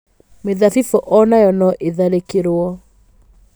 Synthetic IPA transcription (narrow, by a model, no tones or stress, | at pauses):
meðafifɔʔɔnajɔnɔʔeðaɾekeɾoɔ